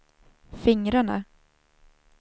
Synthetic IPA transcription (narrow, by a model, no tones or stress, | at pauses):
fɪŋɾaɳa̰